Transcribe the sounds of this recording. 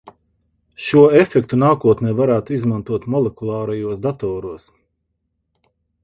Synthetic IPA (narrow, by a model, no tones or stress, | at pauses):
ʃuɔefɛk̚t̪unaːkuɔt̪nɛːvaɾæːt̪uizmant̪uɔt̪mɔlˠɛkulˠɑːɾɛjuɔsd̪at̪ɔːɾuɔs